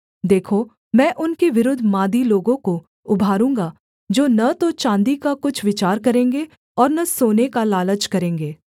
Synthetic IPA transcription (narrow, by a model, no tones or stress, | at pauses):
d̪eːkʰo | mɛ̃ːʔʊnkeʋɪɾʊd̪ʱmãːd̪iloːɡõko | ʊbʱaːɾũːŋɡa | d͡ʒoːnɐt̪ot͡ʃãːnd̪ikakʊt͡ʃʰʋɪt͡ʃaːɾkɐɾẽːŋɡe | ɔːɾnɐsoːnekalaːlət͡ʃkɐɾẽːŋɡeː